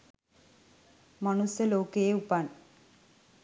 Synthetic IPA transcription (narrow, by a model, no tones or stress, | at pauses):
mʌnusjəloːkejeupan